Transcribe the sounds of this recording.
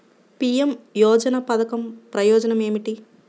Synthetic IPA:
pijemjɔːd͡ʒɐnɐpɐd̪ɐkɐmpɾɐjɔːd͡ʒɐnɐme̞ːmiʈi

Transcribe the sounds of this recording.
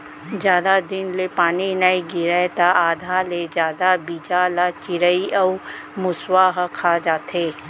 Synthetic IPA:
d͡ʒjaːd̪ad̪ɪnlepaːninaiɡɪɾɛt̪aʔaːd̪ʱaled͡ʒjaːd̪abiːd͡ʒalat͡ʃɪɾəiɐu | mʊswaɦkʰad͡ʒaːt̪eː

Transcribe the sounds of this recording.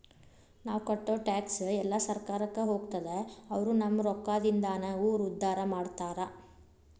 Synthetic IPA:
naːʋkɐʈːoːʈaːksɛlːɐsɐɾkaːɾɐkːeɦo̞ːɡt̪ɐd̪eɐʋɐɾunɐmːɐɾɔkːaːd̪ind̪aːnɐuːɾud̪ʱːaːɾɐmaːɖt̪aːɾɐ

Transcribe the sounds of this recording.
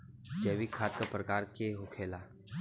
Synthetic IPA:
t͡ʃeːʋikʰːaːt̪̚kapɾɐkaːɾkeɦʊkʰeːla

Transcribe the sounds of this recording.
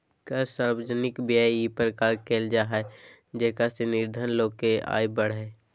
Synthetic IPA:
kasaːɾwəd͡ʒənɪkbjəipəɾkaːɾkeːld͡ʒaːɦɛ | d͡ʒɛkasenɪɾd̪ʱənloːkea̰ːibəɽ̤ɦɛː

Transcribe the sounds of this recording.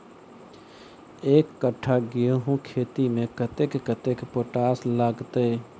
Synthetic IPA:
eːkːəʈʰːaɡioɦũkʰet̪imẽkət̪ekːət̪ekpoʈaːslaːɡt̪e

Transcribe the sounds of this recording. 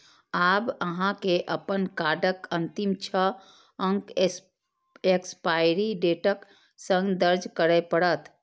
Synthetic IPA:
abəɦãkeʔəpənkaɖəkənt̪imt͡ʃʰə | əŋk | ekspajɾiɖeʈək | sə̃ŋɡd̪əɾd͡ʒkəɾəpəɽət̪

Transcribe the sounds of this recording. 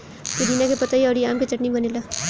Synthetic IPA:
k̪iɾiːnakepɐt̪aiaːɾiaːmket͡ʃɐʈnibɐnela

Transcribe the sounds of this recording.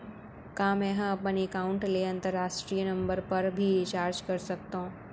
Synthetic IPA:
kãːmɛ̃ːɦɐpənekaːʊ̃ɳʈleɐ̃nt̪əɾːaːʃʈɾiːjənɐ̃mbəɾpɐɾbʱit͡ʃaːɾd͡ʒkɐɾsɐk̚t̪õː

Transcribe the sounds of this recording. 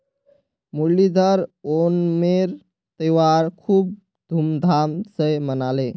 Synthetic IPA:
mulid̪ʱəɾonmeɾ | t̪əjwaɾkʰuːb̚ | d̪ʱumd̪ʱamsəjmənale

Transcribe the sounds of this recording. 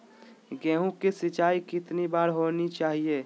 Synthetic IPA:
ɡɛ̃ːɦũkesɪt͡ʃaːikɪt̪nibaːɾɦoːnit͡ʃaːɦie

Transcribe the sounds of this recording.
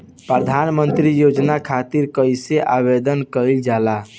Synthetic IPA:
pɾəd̪ʱanmənt̪ɾijod͡ʒnakʰat̪iɾkəjseʔaβed̪ənkəɪld͡ʒala

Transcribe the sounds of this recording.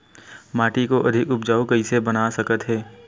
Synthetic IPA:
maːʈikoʔɐd̪ʱɪkʊp̚d͡ʒaːokɐɪsebɐnasɐkət̪ɦɛː

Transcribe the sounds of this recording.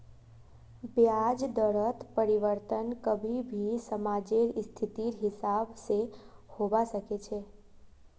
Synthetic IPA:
bjad͡ʒd̪əɾət̪pəɾiʋəɾt̪ənkəbʱibʱisəmad͡ʒeɾst̪ʰit̪iɾɦɪsabsehobasəket͡ʃʰe

